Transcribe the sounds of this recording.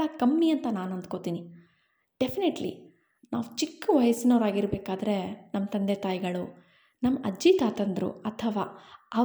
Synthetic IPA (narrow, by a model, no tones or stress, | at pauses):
ɐkɐmːiɐnt̪ɐnaːnɐnd̪kot̪iːni | ɖ̥epʰineʈlḭ | naːʋut͡ʃikːʋɐjɐsinɐːɾaːɡiɾbeːkaːd̪ɐɾe̞nɐmːɐt̪ɐnd̪et̪aːjiɡɐɭu | nɐmːɐʔɐd͡ʒit̪aːt̪ɐnd̪ɾṵɐt̪ʰɐʋaːɐ